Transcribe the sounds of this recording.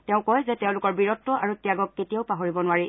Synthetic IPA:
tɛʊ̃kɔjzɛtɛʊ̃lʊkɔɹbiɹɔtːɔʔaɹutijaɡɔkːetijaʊpaɦoɹibɔnʊwaɹi

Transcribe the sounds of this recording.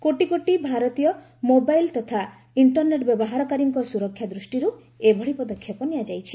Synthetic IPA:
koʈikoʈibʱaɾɔt̪ijɔ | mobajlt̪ɔt̪ʰa | iɳʈɔɾneʈbjɔbɔɦaɾɔkaɾiŋkɔsuɾɔkʰːjad̪ɾusʈiɾu | ebʱɔɽipɔd̪ɔkʰːjɔpɔniad͡ʒajt͡ʃʰi̥

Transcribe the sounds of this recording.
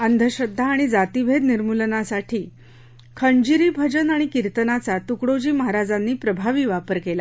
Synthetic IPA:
ənd̪ʱəɕəd̪ʱːaːɽ̃id͡zat̪iʋʱed̪niɾmulnasaʈʰiː | kʰəɳd͡ʑiɾiːbʱəd͡ʑənaɽ̃ikiɾt̪ənat͡sat̪ukɽod͡ʑiːməɦaɾad͡zanːiːpɾəbʱaʋiːʋapəɾkela

